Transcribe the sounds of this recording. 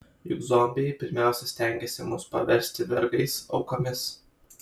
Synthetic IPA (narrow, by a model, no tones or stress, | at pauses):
jʊ̰ɡzɔmʲbʲɪjɛɪpʲɪɾʲmʲæˑʊsʲɛsʲt̪ʲɛŋʲɡʲesʲɪmʊspɐ̰ʋʲɛɾʲsʲt̪ʲɪʋʲɛ̰ɾɡɐɪsɒ̰ʊkomʲɪs